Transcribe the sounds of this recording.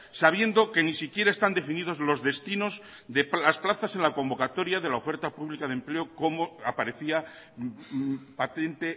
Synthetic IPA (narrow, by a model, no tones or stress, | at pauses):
saβ̞je̞nd̪o̞ke̞nisikje̞ɾae̞st̪and̪e̞finið̞o̞zlo̞zðe̞st̪ino̞z | ðe̞plasplaθase̞nlako̞mbo̞kat̪o̞ɾjaðe̞laofe̞ɾt̪apuβlikaðempleoko̞moapaɾe̞θia | pat̪e̞nt̪e̞